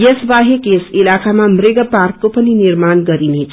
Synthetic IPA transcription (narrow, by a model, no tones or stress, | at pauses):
jesbaɦekesilakamamreɡʌparkkopʌninirmanɡʌɾinet͡sʰ